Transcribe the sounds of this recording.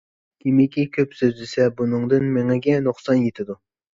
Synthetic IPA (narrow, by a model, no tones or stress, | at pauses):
kʲʰemɪkʲʰikʲʰøpsøzlɪsɛbunɨŋd̪ɨnmeŋɛɡʲɛnuqsɑnjet̪ʰɪd̪u